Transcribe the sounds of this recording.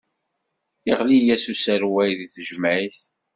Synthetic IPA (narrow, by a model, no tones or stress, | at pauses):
iʁlijæsusəɾwæjðiθʒəmʕiθ